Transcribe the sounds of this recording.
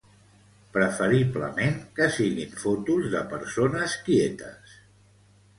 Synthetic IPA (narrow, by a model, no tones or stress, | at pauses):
pɾəfəɾiβlə̰meŋkəsiɣiɱfɔt̪uzðəpəɾsonəskiet̪ə̰s